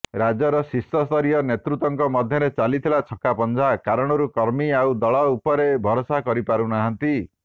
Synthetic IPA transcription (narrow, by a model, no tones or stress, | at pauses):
ɾad͡ʒɔɾɔsist̪ɔst̪ʰɔɾijɔnet̪ɾut̪ɔŋkɔmɔd̪ʱjɔɾet͡ʃalit̪ʰilat͡ʃʰɔkapɔnd͡ʒʱakaɾɔɽ̃ɔɾukɔɾmiawd̪ɔɭɔupɔɾebʱɔɾɔsakɔɾipaɾunaɦant̪i